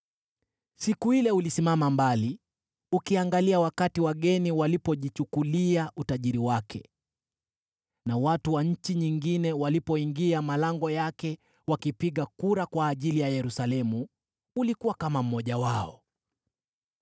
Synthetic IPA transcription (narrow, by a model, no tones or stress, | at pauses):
sikuhilɛulisimamambali | ukiaŋɡaliawakatiwaɠɛniwalipɔʄit͡ʃukuliaʔutaʄiɾiwakʰɛ | nawatuwaɲ̩t͡ʃiɲiŋɡinɛwalipɔiŋɡiamalaŋɡɔjakɛ | wakipiɠakuɾakwaːʄilijajɛɾusalɛmu | ulikuwakamam̩mɔʄawaɔ